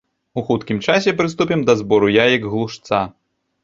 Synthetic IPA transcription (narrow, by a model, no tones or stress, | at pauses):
uxut̪kʲimt͡ʂasʲɛpɾɨst̪upʲɛmd̪ɐzbɔɾujajɐɡɣlˠuʂt̪sa